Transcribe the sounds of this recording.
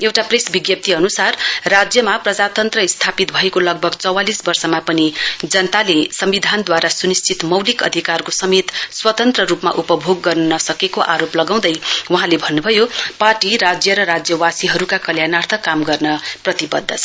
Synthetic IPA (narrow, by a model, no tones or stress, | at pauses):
ewʈapresbiɡjʌp̚t̪iʌnusarːad͡zjʌmaprʌd͡zat̪ʌnt̪rʌist̪ʰapit̪bʱʌekolʌɡ̚bʱʌɡt͡sʌwalisbʌrsʌmapʌnid͡zʌnt̪alesʌmbid̪ʱand̪waɾasunist͡sʰit̪mʌwlikʌ̰d̪ʱikarkosʌmet̪swʌt̪ʌnt̪rʌɾupma̰ʔupʌbʱoɡːʌrnunʌsʌkekoʔaɾoplʌɡaw̃d̪ʌjwʌɦãlebʱʌnːubʱʌjoparʈiɾad͡zjʌɾʌɾad͡zjʌwasiɦʌɾukakʌljanart̪ʰʌkamɡʌrnʌprʌt̪ibʌd̪ʱːʌt͡sʰʌ